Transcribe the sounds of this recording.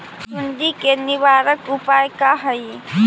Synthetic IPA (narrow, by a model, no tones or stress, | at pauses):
sʊnd̪ikenɪʋaːɾəkʊpaːjkaɦɐi